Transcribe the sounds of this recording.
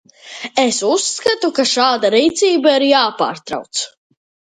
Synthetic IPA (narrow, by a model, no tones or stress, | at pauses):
esusːkat̪ukaʃaːd̪aɾiːt̪siːbaiɾjaːpa̰ːɾt̪ɾa̰wt̪s